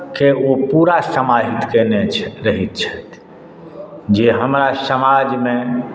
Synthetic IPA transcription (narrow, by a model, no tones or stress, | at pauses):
keopuɾasəmaɦit̪kenet͡ʃʰɾəɦit̪t͡ʃʰət̪ | d͡ʒeɦəmɾasəmad͡ʒmẽ